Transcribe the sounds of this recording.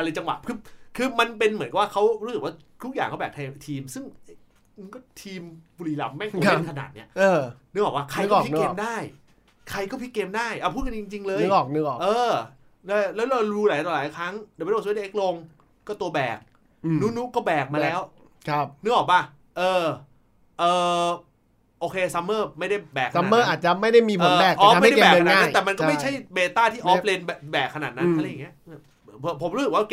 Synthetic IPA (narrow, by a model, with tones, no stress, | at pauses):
ʔa˧lɤː˧t͡ɕa˧ŋwa̰˨˩t̪̚kʰɯː˧kʰɯː˧ma˧np̬e˧nmɯ˩˦nka˨˩waː˥˩kʰa˦˥wɾu˦˥sɯ˨˩k̚waː˥˩ | t̪ʰu˦˥k̚jaː˨˩ŋʰkɔ˥˩bɛː˨˩t̪ʰaː˧t̪ʰiː˧msɯ˥˩ŋʔj | nkɔː˥˩t̪ʰiː˧mbu˧liː˨˩la˧mːa˥˩u˧˦˧a˧˥˩kʰa˧na̰ː˨˩t̪̚ni˦˥ɐː˧n˦˥ʔɔː˨˩waː˧˥˩kʰa˧jkɔː˥˨pkkeː˧mdaː˥˩j | kʰa˧jkɔː˥˩pʰi˦˥keː˧mdaː˥˩jʔa˨˩pʰuː˥˩ka˧t͡ɕi˧ŋt͡ɕi˧ŋlɤː˧jɔː˨˩knɯ˦˥ɔː˨˩ʔɤː˧ | lɛ˦˥lɛː˦˥lɔ˧ɾuː˧˥laː˨˦j̪ɔː˧˩laː˨˦jkʰɾa˦˥ŋda˨˩mː˧˦o˧˩sʔe˦˥k̚lo˧ŋ | kɔː˥˩t̪u˧ɐbɛː˨˩k̚ː | nu˦˥nu˦˥kɔː˥˩bɛː˨˩k̚ma˧lɛː˦˥w | kʰa˦˧˩p̚nɯ˦˥˩ʔɔː˨˩k̚ba˧˩ | ʔɤː˧ | ʔɤː˨˩ | ʔoː˧kʰeː˧sa˧˦mːɤː˥˩ma˥˩jda˥˩jbɛː˨˩kʰasa˧˨˧mɤː˥˩˦ʔaː˨˩t̪̚t͡ɕa˨˩ma˥˩jda˥˩jmiː˧ɔː˧bɛː˨˩k̚ʔɔ˧˦˥a˥˩˦da˥˧˩ɛː˨˩kʰːnaː˦˩˨ma˧nkɔ˥˩m˥˩t͡ɕʰa˦˥˩jbeː˧t̪aː˥˩t̪ʰiː˥˩ʔɔː˦˥˦p̚leː˧nɛ˨˩bɛː˨˩kʰːnaː˨˩na˦˥ʔa˧la˧ja˨˩ŋi˦˥˧ | pʰo˩˦mɾs̚waː˥˧˩k